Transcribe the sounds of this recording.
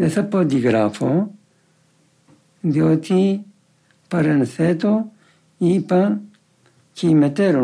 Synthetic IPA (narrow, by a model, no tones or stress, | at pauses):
d̪esɐpːod̪iɡɾaːfo | d̪joːt̪ʰi | pɐɾɐnset̪o | iːpɐn | kʰimet̪eɾo